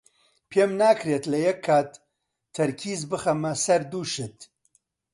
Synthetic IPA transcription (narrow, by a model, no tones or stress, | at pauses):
pʰeːmnaːkʰɾeːt̪lɐjɛkʰːaːt̪ʰː | ɐɾkʰiːzbɨxɐmɐsɐɾd̪uːʃɨt̪